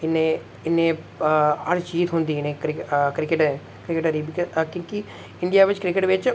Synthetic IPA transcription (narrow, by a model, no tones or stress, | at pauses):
ɪneː | ɪnːẽː | əɾt͡ʃiːt̪ɦʊnd̪iːɪnẽːkɾɪkɾɪkɪʈː | kɾɪkəʈəɾiːbikkjõːki | ɪɳɖijaːʋɪt͡ʃkɾɪkəʈʋɪt͡ʃ